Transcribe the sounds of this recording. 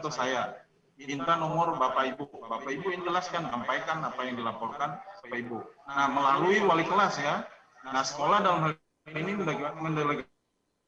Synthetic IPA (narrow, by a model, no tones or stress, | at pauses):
t̪osaja | iint̪anɔmʊrbapaibubapaibuind͡ʒəlaskansampajkanapajaŋdilapɔrkanpaibunahməlaluiwalikəlasja | nasə̥kolahdalamɦal | iniədŋəndeleɡ